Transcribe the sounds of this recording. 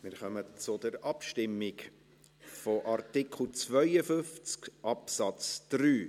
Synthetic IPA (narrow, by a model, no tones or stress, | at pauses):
mɪɾχœmət͡sʊdəɾɑpʃtɪmːɪk | fɔʔɑrtɪkʰl̩t͡svœʏəfʏft͡skʔɑpsɑt͡sd̥ryː